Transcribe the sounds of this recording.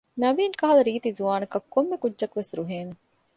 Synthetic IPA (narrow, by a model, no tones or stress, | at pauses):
nɐʋiːŋkɐɦɐlɐɾiːt̪izuʋaːnɐkɐkːomːekudːʒɐkʋesɾuɦeːnu